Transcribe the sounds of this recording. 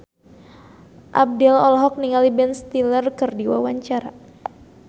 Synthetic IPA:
ʔa̰b̚dɛlɔlɔɦɔk̚niŋalibɛnst̪ilərkərdiwawaɲt͡ʃaɾa

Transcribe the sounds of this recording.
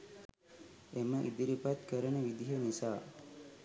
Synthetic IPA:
eməʔid̪iɾipat̪kəɾənəʋid̪iɦənisaː

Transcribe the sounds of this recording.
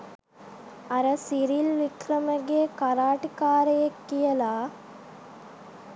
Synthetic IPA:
ɐɾɐsiɾilʋikɾɐmɐɡeːkɐɾaːʈikaːɾɐjɐkːijɐlaː

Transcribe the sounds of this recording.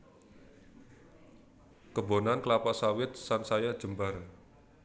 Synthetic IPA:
kəbonanklapaʔsawɪt̪̚sansajḁʒ̥ə̤mbar

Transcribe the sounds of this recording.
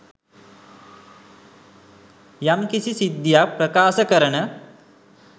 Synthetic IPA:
jamkisisid̪japɾɐkaːsɐkəɾəɳə

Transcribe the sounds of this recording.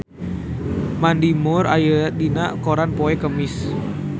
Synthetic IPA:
mandimʊɾa̰jədinaʔkoɾanpɔɛkəmɪs

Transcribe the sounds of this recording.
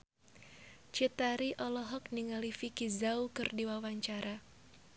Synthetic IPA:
t͡ʃit̪aɾiʔɔlɔɦɔk̚niŋalifikizaukɨrdiwawaɲt͡ʃaɾa

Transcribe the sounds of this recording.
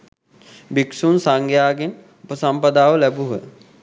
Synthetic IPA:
biksunsaŋɡjaːɡen | upəsampəd̪aːʋəlæbuɦə

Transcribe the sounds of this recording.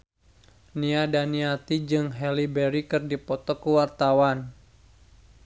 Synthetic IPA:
niadaniat̪id͡ʒɨŋɦɛlibɛɾikɨrdipɔt̪ɔkəwart̪awan

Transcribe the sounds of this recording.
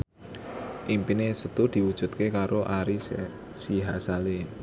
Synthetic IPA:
ʔimpinesət̪ud̪̥i̤wud̥ʒ̥ṳt̪̚kekaɾoʔaɾi | siɦasale

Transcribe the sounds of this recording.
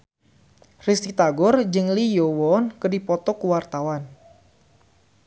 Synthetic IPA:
rist̪it̪aɡɔrd͡ʒɨŋlijowɔnkədipɔt̪ɔkuwart̪awan

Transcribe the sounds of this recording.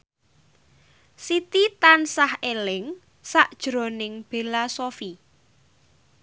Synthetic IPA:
sit̪it̪ansahelɪŋ | saʔd̥ʒ̥ɾo̤nɪŋb̥e̤lasofi

